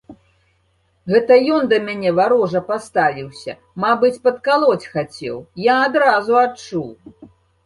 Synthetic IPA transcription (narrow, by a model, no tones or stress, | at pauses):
ɣɛt̪ɐjɔnd̪ɐmʲanʲɛvaɾɔʐɐpast̪avʲiwsʲɐ̰ | mabɨt͡sʲpɐt̪kalˠɔt͡sʲxat͡sʲɛ̰wjaːd̪ɾazuat͡ʂuw